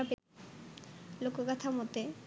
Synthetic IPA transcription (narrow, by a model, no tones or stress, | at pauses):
ape | lokokat̪ʰamot̪e